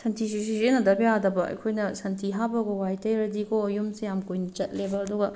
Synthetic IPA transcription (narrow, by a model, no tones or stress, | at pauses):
sɐntʰis̬is̬izenɐdɐbjadɐbɐɐ̰jkʰojnɐsɐntʰiɦabɐɡɐwajtɐjɾɐdikojumsejamkujnɐt͡ʃɐt̚lebɐɐduɡɐ